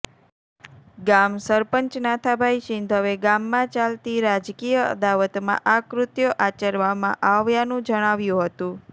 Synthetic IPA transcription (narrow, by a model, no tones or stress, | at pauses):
ɡamsəɾpəɲt͡ʃnat̪ʰabʱaiʃɪnd̪ʱəʋeɡamːãt͡ʃalt̪iɾad͡ʒkijəə̰d̪aʋət̪mã̰ʔakɾʊt̪joʔat͡ʃəɾʋamã̰ʔaʋjanũd͡ʒəɽ̃aʋjũɦət̪ũ